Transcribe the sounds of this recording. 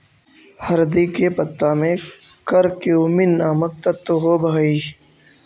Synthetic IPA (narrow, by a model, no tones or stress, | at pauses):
hɐɾd̪iːkepɐt̪ːaːmẽ | kəɾkeuːminːaːmək̚t̪ɐt̪ːoɦoːbʱaːiː